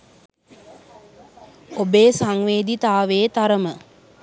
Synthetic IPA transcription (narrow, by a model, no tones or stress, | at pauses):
obeːsaŋʋeːd̪it̪aːʋeːt̪aɾəmə